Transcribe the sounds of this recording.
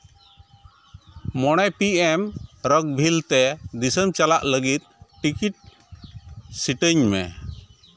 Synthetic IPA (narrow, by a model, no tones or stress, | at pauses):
mɔɽ̃ɛpiɛmɾək̚bʱilt̪ɛd̪isəmt͡ʃalaʔləɡit̪̚ʈikiʈ̚ | siʈəɲmɛ̰